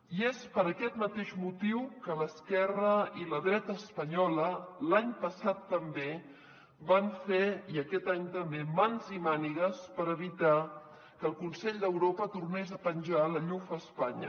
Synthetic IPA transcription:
iespəɾəkɛt̪mət̪eʒmut̪iwkələskɛrəiləðɾɛt̪əːspəɲɔləlaɲpəsat̪ːəmbe | baɱfeiəkɛt̪aɲt̪əmbemanzimaniɣəspəɾəβ̞it̪a | kəlˠkunsɛʎd̪əwɾopət̪urnezəpənʲʒaləʎufəːspaɲə̰

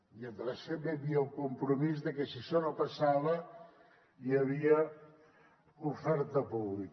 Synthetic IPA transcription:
iənd̪ləseβeβiəuŋkumpɾumizðəkəsiʃɔnopɐsaβə | jəβ̞iə | ufɛɾt̪əpuβlik

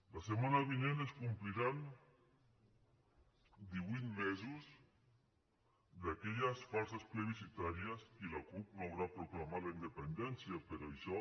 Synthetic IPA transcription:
lasemanaβineneskumpliɾan | d̪iβwit̪mɛzuz | ðakɛʎasfalsaspɾeβisit̪aɾijəsilakup̚bawɾapɾuklamalaind̪epend̪ɛnsjapeɾaʃɔ

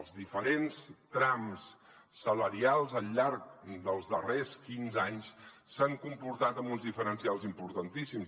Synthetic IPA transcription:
lˠzðifəɾenst̪ɾamsː | ələɾialˠzəlːaɾk̚d̪əlˠzðəreskinzaɲssaŋkumpuɾt̪at̪əmbunzðifəɾənsialˠzimpuɾt̪ənt̪isims

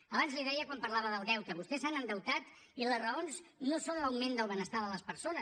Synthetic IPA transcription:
əβanzliðɛjəkwampəɾlaβəðəlˠd̪ɛwt̪əβust̪ɛsanənd̪əwt̪at̪ | iləzrəonznosonləwmend̪əlˠβənəst̪aðələspəɾsonəs

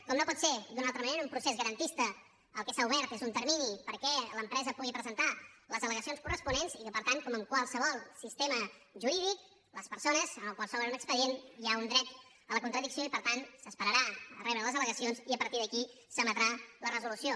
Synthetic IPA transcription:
kɔmnopɔt̪sed̪unalˠt̪ɾəməneɾəumpɾusezɣəɾənt̪ist̪ə | əlˠkɛsauβɛɾt̪ezunt̪əɾminipəɾkɛləmpɾɛzəpuɣipɾəzənt̪aləzələɣəsionskurəspunenzikəpəɾt̪ankɔməmkwalˠsəβɔlˠsist̪eməʒuɾiðik̚ | ləspəɾsonəzəməlˠkwalˠsɔβɾənunəkspəðieniaund̪ɾɛt̪ | ələkunt̪ɾəðiksioipəɾt̪ansəspəɾəɾaə̰rɛβɾələzələɣəsionziəpəɾt̪iðəki | səmət̪ɾalərəzulusio

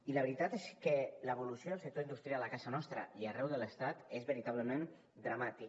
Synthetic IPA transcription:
iləβɾit̪at̪eskələeβulusioðəlˠsək̚t̪oind̪ust̪ɾialˠəkasənɔst̪ɾə̰iərɛwðələst̪at̪ezβəɾit̪aβ̞ləmen | d̪ɾamat̪i

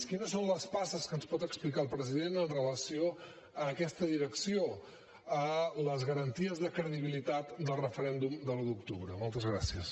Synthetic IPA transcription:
kinəsonləspasəskənspɔt̪əksplikalˠpɾəziðenənrələsio | əːkɛst̪əðiɾəksio | ələzɣəɾənt̪iəzðəkɾəðiβ̞ilit̪at̪d̪əlˠrəfəɾɛnd̪umd̪əlud̪uk̚t̪uβɾəmɔlˠt̪əzɣɾa̰siəs

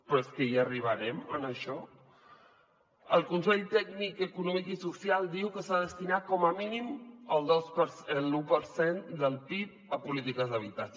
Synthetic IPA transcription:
pɾɔeskəiəriβ̞əɾɛmənəʃɔ | əlˠkunsɛʎt̪ɛɡnikəkunɔmikisusialˠd̪iwkəsaðəst̪inakɔməminiməlˠd̪ɔspəɾsəlupəɾsend̪əlˠt̪ip̚əpulit̪ikəzðəβ̞it̪at͡ʃ

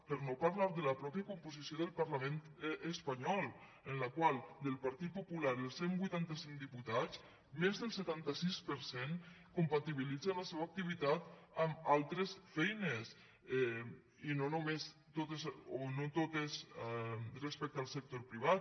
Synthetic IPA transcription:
pəɾnopaɾlaɾd̪ələpɾɔpjəkumpuzisioðəlˠpəɾləment̪əspaɲɔlˠ | ənləkwalˠd̪əlˠpəɾt̪it̪̚pupulaɾəlˠsembujt̪ant̪əsiŋd̪iput̪at͡s | mezðəlˠsət̪ant̪əsispəɾsen | kumpat̪iβ̞ilid͡zələsɛβək̚t̪iβ̞it̪at̪əmalˠt̪ɾəsfɛjnəs | ɛ | inonumest̪ot̪əzonot̪ot̪əz | rəspɛk̚t̪əalˠsək̚t̪oɾpɾiβ̞at̪

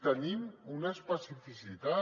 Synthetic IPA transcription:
t̪ənimunaespəsifisit̪a

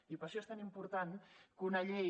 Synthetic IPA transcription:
ipəɾʃɔest̪animpuɾt̪ankunəʎej

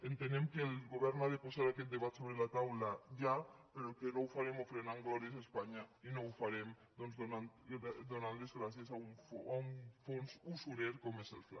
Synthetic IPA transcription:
ent̪end̪emkelɣoβeɾnaðeposaɾakeld̪eβat̪soβ̞ɾelat̪awlaʝapeɾokenowfaɾemofɾenaŋɡoɾesespaɲainowfaɾem | d̪onzonand̪onanlezɣɾasjesauɱfauɱfonsusuɾeɾkomesḛlfla̰

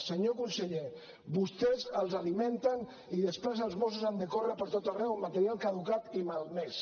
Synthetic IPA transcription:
səɲokunsəʎe | βust̪ɛzəlˠzaliment̪ən | iðəspɾezəlˠzβosuzand̪əkorəpəɾt̪ot̪ərɛwmat̪əɾialˠkaðukat̪imalˠmes

